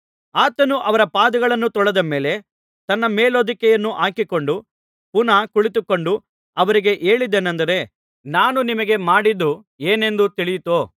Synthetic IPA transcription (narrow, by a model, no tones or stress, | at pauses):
aːt̪ɐnuʔɐʋɐɾɐpaːd̪ɐɡɐɭɐnːut̪ɔɭɐd̪ɐme̞ːle̞ | t̪ɐnːɐmeːloːd̪ikɛjɐnːuʔaːkiko̞ɳɖu | punɐkuɭit̪uko̞ɳɖu | ɐʋɐɾiɡe̞ʔeːɭid̪enɐnd̪ɐɾe̞ | naːnunimɐɡe̞maːɽid̪ːu | eːne̞nd̪ut̪iɭijit̪oː